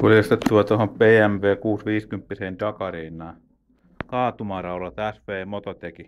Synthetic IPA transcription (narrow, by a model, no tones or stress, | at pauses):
kulɑst̪et̪t̪ːuɑt̪ohompeːæmʋeːkuːsʋiːskympːiseːnt̪ɑkɑreːnːˑɑː | kɑːt̪umɑrɑulɑt̪æsʋeːmot̪ot̪eki